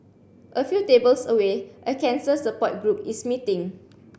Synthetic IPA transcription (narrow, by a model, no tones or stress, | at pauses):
ʔəfjutebəlsəweʔəkɛ̃nsəsəpɔt̚ɡɹupismitĩŋ